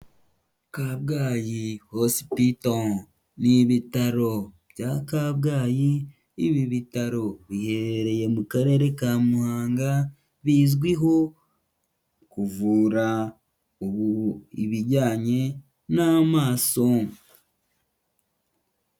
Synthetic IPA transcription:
kaβɡaːjihosi̥pito | niβitaɾo̞bɟakaβɡaːjiː | βiβitaɾo̞βihe̞ɾeɾe̞je̞mukaɾe̞ɾe̞kamuhaːŋɡa | βiːzɡwiɦo̞ | kuvuːɾa | uβuḭβiɾɟaːɲe̞ | namaːso̞

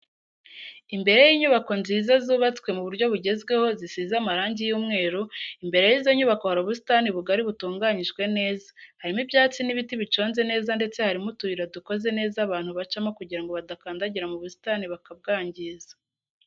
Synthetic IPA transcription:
imbe̞ɾe̞jiːɲuβako̞nziːzazuːβat͡swe̞muβuɾɟo̞βuɟe̞zɡwe̞ho̞zisiːzamaɾaːɲɟijuːmŋe̞ːɾuimbe̞ɾe̞jiːzo̞ɲuβako̞haɾoβus̬i̥taniβuɡaɾiβutuːŋɡaːɲiʒɡwe̞ne̞ːzḁhaɾimibjaːt͡siniβitiβit͡ʃo̞ːnze̞ne̞ːzande̞t͡se̞haɾimutuiɾaduko̞ze̞ne̞ːzaβaːn̥huβat͡ʃamokuɟiɾaŋɡo̞βadakaːndaɟiɾamuβusi̥taniβakab̚ɡaːɲɟizḁ

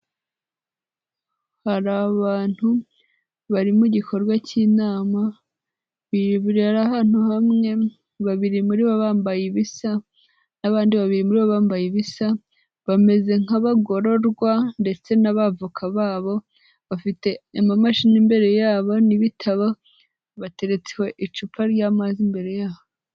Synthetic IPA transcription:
haɾaβaːn̥hu | βaɾimuɟikʰo̞ɾɡwaciːnaːma | βiβuɾiaɾaɦaːn̥huhamŋe̞ | βaβiɾimuɾiβaβaːmbajiβisa | naβaːndiβaβiɾimuɾiβaβaːmbajiβisa | βame̞ze̞ŋaβaɡo̞ɾo̞ɾɡwande̞t͡se̞naβavukʰaβaːβo̞ | βafite̞amamaʃinimbe̞ɾe̞jaːβo̞niβitʰaβa | βate̞ɾe̞t͡seho̞ʔit͡ʃupaɾjaːmazimbe̞ɾe̞jaːβo

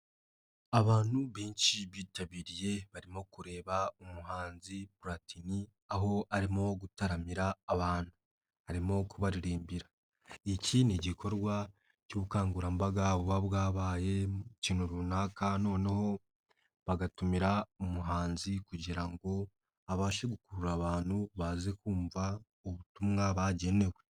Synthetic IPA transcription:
aβaːnuβiːnt͡ʃiβiːtaβiːɾije̞βaɾimo̞kuɾe̞ːβaomuɦaːnzibuɾatini | aɦo̞aɾimo̞ɡutaɾamiɾaːβaːn̥hu | haɾimo̞kuβaɾiɾiːmbiɾa | iciniɟikʰo̞ɾɡwa | coβukaːŋɡuɾambaɡaβuβaβwaːβaːje̞ciːn̥uɾunaːkano̞ːneho̞ | βaɡatumiɾaomuɦaːnzikuɟiɾaŋɡo̞ | aβaːʃeɡukuɾuɾaβaːn̥huβazekuːɱva | oβutumŋaβaɟe̞ne̞we̞

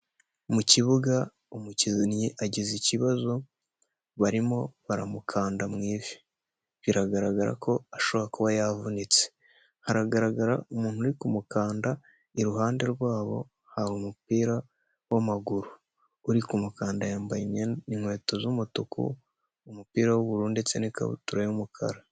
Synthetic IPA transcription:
muciβuɡa | umucinjiʔaɟiziciβazo̞ | βaɾimo̞βaɾa̰mukʰaːndamŋiːvi̥ | βiɾaɡaɾaɡaɾa̰kʰo̞aʃo̞βoɾakuβajavunit͡se̥ | haɾaɡaɾaɡaɾaumuːn̥huɾikumukaːnda | iɾuɦaːnde̞ɾɡwaːβo̞̰ | haɾumupiːɾa | wamaɡuɾuː | ɾikumukaːndajaːmbajiiŋwe̞ːtozumutukṵ | umupiːɾawoβuɾuːndet͡seneka̰βṵtuɾajumukʰa̰ɾa

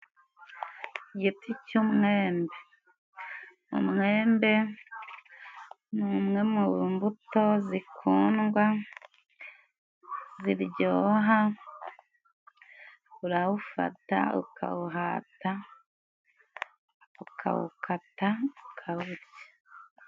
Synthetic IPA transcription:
ɟiticumŋeːmbe̞ | ṵmŋeːmbe̞ | nuːmŋe̞muβuːmbuto̞zikʰuːnɡwa | ziɾɟoːɦa | uɾaβufa̰ta̰ṵkʰa̰wuɦaːta | ukʰa̰wṵkataukʰaβuɾɟḁ

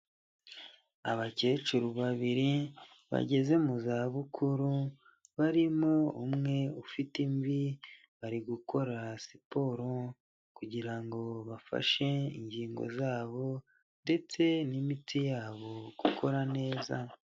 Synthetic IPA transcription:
aβaceːt͡ʃuɾuβaβiɾi | βa̰ɟe̞ze̞muzaːβukʰuɾu | βaɾimoumŋe̞ufitimvi | βaɾiɡukʰo̞ɾasipo̞ɾo | kuɟiɾaŋɡo̞βafa̰ʃe̞ḭɲɟiːŋɡo̞̰zaːβo̞ | nde̞t͡se̞nimitʰijaːβo̞ɡ̥ukʰo̞ɾane̞ːza̰

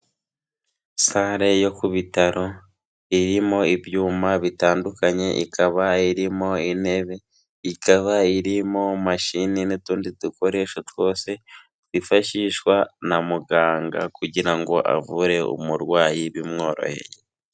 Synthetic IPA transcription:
saːɾe̞jo̞kuβitaɾo̞ | iɾimo̞ibjuːmaβitaːndukaɲe̞ʔḭkʰaβaiɾimo̞ine̞βe̞ | ikʰaβaiɾimo̞maʃininituːndituko̞ɾe̞ːʃotwo̞ːse̞ | tifaʃiʃwanamuɡaːŋɡa̰kuɟiɾaŋɡo̞ʔa̰vuɾe̞ṵmuɾɡwaːjiβimŋo̞ːɾo̞̰he̞̰je

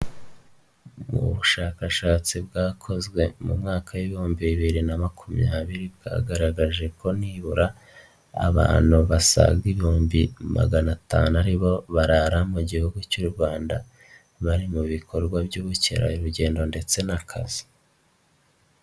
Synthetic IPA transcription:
mṵβuʃaːkaʃaːt͡sib̚ɡaːkʰo̞zɡwe̞mṵmŋaːkʰawiβihuːmbiβiβiɾinamakʰumjaːβiɾibɡa̰ːɡaɾaɡaʒe̞kʰo̞niːβuɾa̰ː | βa̰ːn̥huβasa̰ɡɡiβihuːmbima̰ɡanata̰ːnuaɾiβo̞βaɾaɾamuɟihuɡucuɾɡwaːnda | βaɾimuβikʰo̞ɾɡwabɟuβucḛɾa̰iɾuɟe̞ːndo̞nde̞t͡se̞nakʰa̰z̥i̥

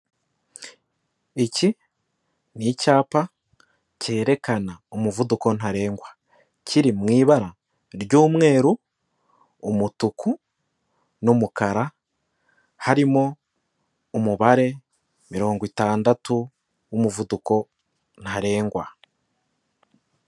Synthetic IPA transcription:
eci | nicaːpa | ce̞ːɾe̞kanaomuvuduko̞n̥aɾe̞ːŋɡwa | ciɾimŋiːβaɾa | ɾɟuːmŋe̞ːɾuː | mutukʰu | nomukaɾa | haɾimo̞ː | muβaɾe̞ | miɾo̞ːŋɡwitaːndatu | wumuvuduko̞ | n̥haɾe̞ːŋɡwa

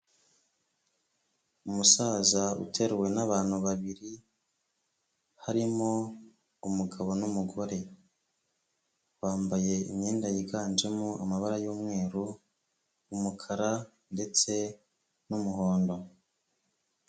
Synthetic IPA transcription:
umusaːzaṵtʰe̞ɾewe̞naβaːn̥huβaβiɾi | haɾimo̞ | umuɡaβo̞numuɡo̞ɾe̞ | waːmbaje̞ḭmɲeːndajiɡaːnd͡ʒemua̰maβaɾajoːmŋe̞ːɾu | umukʰaɾa | nde̞t͡se̞ | numuɦo̞ːndo̞

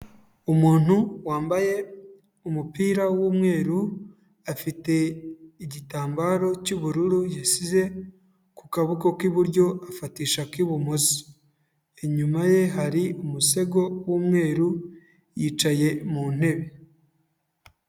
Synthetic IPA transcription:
umuːn̥uwaːmbaje̞ | umupiːɾawuːmŋe̞ːɾu | afite̞iɟitaːmbaɾo̞cuβuɾuɾujisize̞ | kukaβukokiβuɾɟo̞afatiːʃakiβumozi̥ | eɲumaje̞ɦaɾiumuse̞ɡo̞wuːmŋe̞ːɾu | jiːt͡ʃaje̞muːn̥e̞βe

